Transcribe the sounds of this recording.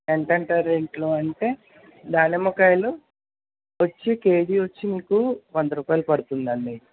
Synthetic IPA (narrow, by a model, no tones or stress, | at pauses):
eɳʈɐɳʈaːɾiɳʈloːɐɳʈe̞ː | d̪aːnemɐkajlu | ʋɐt͡ʃːike̞ːɖiʋot͡ʃːimiːkuʋɐnd̪ɐɾuːpaːjlɐpɐɽut̪und̪ɐɳːi